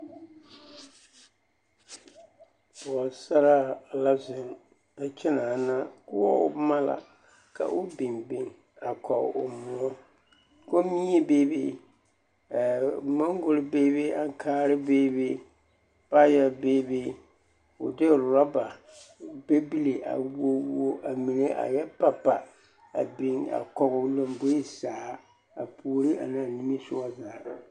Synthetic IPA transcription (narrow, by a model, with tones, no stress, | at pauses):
b̥ʊ˨ɔ˨sa˦ɾa˦˨la˦zɪ˨n | a˨t͡ʃɛ˦na˨na˦kʊ˦ɔ˦ʊ̰˦ma˦la̰˨ | ka̰˨ʔʊ˦bi˨nbi˨ŋ | a˨kʰɔ˨ʊ̰˨mʊ˦ɔ˦ | ko˦mi˦e˦be˦be˦˨ | mɔ˦ŋ˦ɡʊ˨lɪ˦be˦be˦a˦ŋ˦kʰaː˦˨ɾɪ˦beː˦be˦ | pa˦jɛ˨beː˦be˦ | ʊ˨dɪ˦˨ɾɔ˦ba˨ | be˦bi˦li˨ʔa̰˨wo˦wo˦ʔa˨mi˨ne˦ʔa̰˨jɛ˦pa˨pa˨ | a˨bɪ˨ŋa̰˨kɔ˨ɣʊ˨lo˨mbo˦i˦saː˨˦ | a˨pʰu˨ɾi˦ʔa̰˨naː˨ni˦mi˦sʊ˦ɔ˦zaː˨